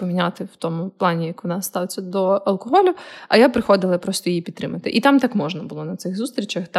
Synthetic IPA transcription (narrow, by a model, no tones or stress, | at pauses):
ɔmʲinʲat̪ɪwt̪ɔmʊplˠɑnʲijɐkɔnɑst̪ɑwt͡sʲɐd̪ɔɐlˠkɔɦɔlʲʊɐ̰japɾɪxɔd̪ɪlˠɐpɾɔst̪ɔjijipʲid̪t̪ːɾɪmɐt̪ɪ̰ʔit̪ɑmt̪ɑkmɔʒnɐbʊlˠɔnɐt̪sɪɣzust̪ɾʲit͡ʃɐxt̪